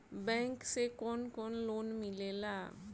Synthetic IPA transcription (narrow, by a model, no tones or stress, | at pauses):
bɛ̃ŋksekɔnkɔnlonmilela